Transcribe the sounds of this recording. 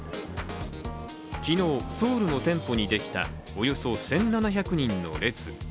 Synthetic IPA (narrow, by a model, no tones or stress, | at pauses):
kʲino̞ːso̞ːɾɯ̟no̞t̪ẽ̞mpo̞ɲ̟id̪e̞kʲi̥t̪a̰ | ojo̞sosẽ̞nːanaçakɯ̟ɲ̟ĩnːo̞̰ɾe̞t͡sɨ